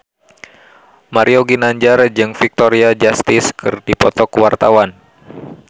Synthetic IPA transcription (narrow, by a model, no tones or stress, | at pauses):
maɾioɡinaɲd͡ʒard͡ʒɨŋfik̚t̪ɔɾiad͡ʒast̪ɪskʰɨrdipɔt̪ɔkuwart̪awan